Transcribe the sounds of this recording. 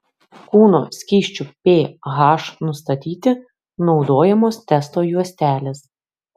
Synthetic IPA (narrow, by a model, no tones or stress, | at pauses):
kuːnoːsʲkʲiːʃʲt͡ʃʲʊpʲeːɣɑːʃnʊst̪ɐt̪ʲiːt̪ʲɪ | nɒʊd̪oːjɛmoːst̪ʲɛst̪oːjuɔsʲt̪ʲæːlʲeːs